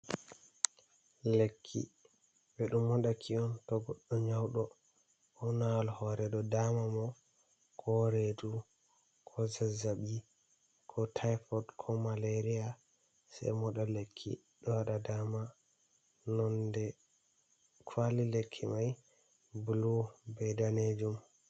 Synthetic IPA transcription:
lekʰːḭ | bɛɗumːɔɗakʰiɔntɔɡɔɗːɔɲawɗɔ | ɔnalhɔɾɛdɔdamamɔ | kʰɔɾedu | kʰɔzazaɓi | kʰɔtʰajfɔdkʰɔmaleɾia | sɛ̰jmɔɗalekʰːḭ | ɗɔwaɗadama | nɔndɛ | kʰwalilekʰːimaj | bulubɛjdaned͡ʒum

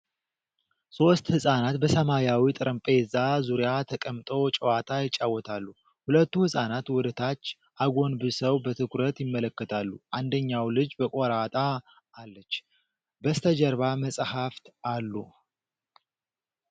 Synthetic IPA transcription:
so̞st̪hɨsʼanat̪bəsəmajawit̪ʼɨɾʔɨmpʼe̞zazuɾjat̪ʰəkʼəmt̪ʼowt͡ʃʼəwat̪ʰajɪt͡ʃʼːawːɔt̪ʰalːu | hulət̪ːuhɨsʼanat̪wɔd̪ɨt̪ʰat͡ʃː | ʔaɡo̞nbɨsəwbət̪ʰɨkɾət̪jɪmːələkːət̪ʰalːuʔand̪əɲːawlɨd͡ʒbəkʼoɾat̪ʼaː | lːət͡ʃː | bəst̪ʰəd͡ʒəɾβaməsʼhaft̪ʔalːu

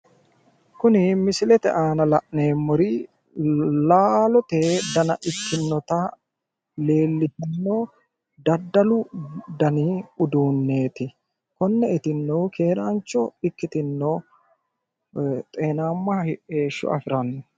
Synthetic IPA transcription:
kʊnɪmɪsɪlɛt̪ɛ̰ʔaːnɐlɐ̰ʔne̞ːmːɔɾɪ | laːlɔt̪ed̪ɐnɐ̰ʔɪkːɪnːɔt̪ɐ | le̞ːlːɪt̪ɪnːoː | d̪ɐd̪ːɐlʊd̪ɐniʊd̪uːnːe̞ːt̪ɪ | kɔnːɛɪt̪ɪnːoːkʰeːɾaːnt͡ʃːɔ̰ɪkːɪt̪ɪnːoː | t̪ʼe̞ːnaːmːɐheːʃːɔ̰ɐ̰fɪɾɐnːɔ

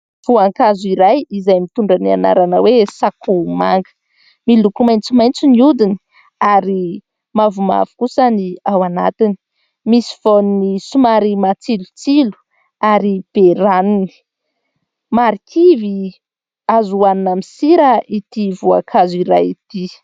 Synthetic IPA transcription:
v̥uaŋkazuiɾajizajmit̪uɳɖ͡ʐania̰na̰ɾanəwesakʰuma̰ŋɡə̥ | milukumajnt͡simajnt͡siniud̪ini̥ | aɾi | mavuma̰vu̥kusaniawana̰t̪ini | misi̥voninisumaɾimat͡silut͡silu̥ | aɾib̥eɾanuni̥ | maɾikʰivi | azuaninamisiɾəit̪ivua̰kʰaziɾajit̪i

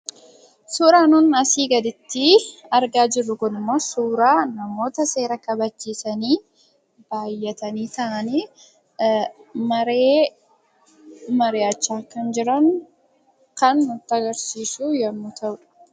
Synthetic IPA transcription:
suːɾaːnʊnɐsiːɡɐd̪ɪt̪ːɪɐɾɡaːd͡ʒɪrːʊkʊnɪmːo̞ːsuːɾaːnɐmo̞ːt̪ɐse̞ːɾɐkɐbɐd͡ʒːiːsɐniː | b̥aːjːɛt̪ɐniːt̪ɐʔɐniː | mɐɾeː | mɐɾeːɐt͡ʃːaːkɐnd͡ʒɪɾɐŋ | kɐnːʊt̪ːɐɡɐɾsiːsujɐmːʊt̪ʰɐʔʊᶑ

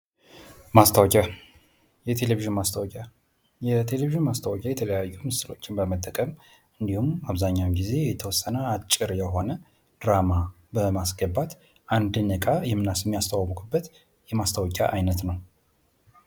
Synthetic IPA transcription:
mast̪ʰawɔkʼa | jɛt̪ʰe̞leviʒɪnmast̪ʰəwkʲʼa | jɛt̪ʰe̞leviʒɪnmast̪ʰəwɔkʲʼajɛt̪ʰələjajːumɨsɨlo̞t͡ʃːɪnbəmət̪ʼːəkʼəm | ʔɨnd̪ihumaβzaɲːawmɡize̞jɛt̪ʰəwɔsːənəat͡ʃʼːɪɾjɛɦo̞nə | d̪̥ɾama | bəmasɡəbːat̪ | ʔand̪ɨnəkʼajɛmːɨnasmːijast̪ʰawwkʰʼubːət̪ | jɛmast̪ʰawɔkʼa̰ʔajnət̪nəw

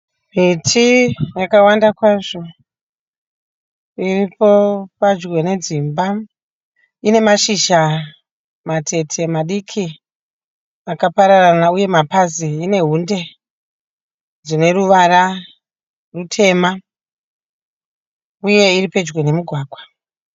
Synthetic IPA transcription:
mitʰijakawandakwaʐo̞ | iripo̞pad͡ʒwe̞ne̞d͡zimba | ine̞maʃiʃa | matʰe̞tʰe̞maɗikʰi | akapaɾaranauje̞mapaziːne̞ɦunde̞ | d͡zine̞ɾuʋaɾa | rutʰe̞ma | uje̞iriped͡ʒɡwe̞ne̞muɡʱwaːɡʱwa

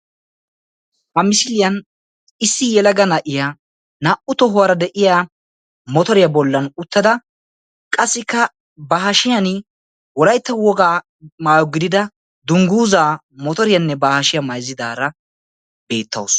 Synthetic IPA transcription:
ʔɐmɪsɪlɪjɐn | ɪsːɪjɛlɐɡɐnɐʔɪja | naːʔʊt̪ɔɦʊwɐɾɐd̪ɛʔɪjaː | mɔt̪ɔɾɪjɐbɔlːɐnʊt̪ːɐd̪ɐ | kʼɐsːɪkːɐ | baɦɐʃɪjɐnɪ | wɔlɐjt̪ːɐwɔɡaː | maːjɔɡɪd̪ɪd̪ɐ | d̪ʊŋɡuːzaː | mɔt̪ɔɾɪjɐnːɛbaːhɐʃɪjɐmɐjzɪd̪aːɾɐ | b̥e̞ːt̪ːɐ̰ws

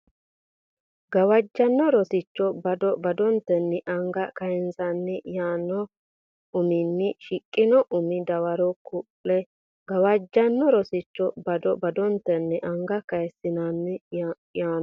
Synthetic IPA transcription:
ɡɐwɐd͡ʒːɐnːɔɾɔsɪt͡ʃːɔbɐd̪ɔbɐd̪ɔnt̪ːɛnːɪʔɐŋɡɐkɐjɛnzɐnːɪjaːnːɔ | ʊmɪnːɪʃɪkʼːɪnɔʔʊmɪd̪ɐwɐɾɔkʊpːɛ | ɡ̥ɐwɐd͡ʒːɐnːɔɾɔsɪt͡ʃːɔbɐd̪ɔbɐd̪ɔnt̪ːɛnːɛʔɐŋɡɐkɐjɛsːɪnɐnːɪ | jaː

